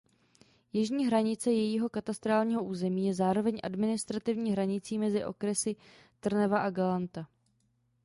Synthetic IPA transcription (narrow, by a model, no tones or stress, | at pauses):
jɪʒɲiːɦɾaɲɪt͡sɛjɛjiːɦo̞kat̪ast̪ɾaːlɲiːɦo̞ʔuːzɛmiːjɛzaːɾo̞vɛɲʔa̰dmɪnɪst̪ɾat̪ɪvɲiːɦɾaɲɪt͡siːmɛzɪʔo̞̰kɾɛsɪ | t̪r̩nɛvaʔaɡalant̪a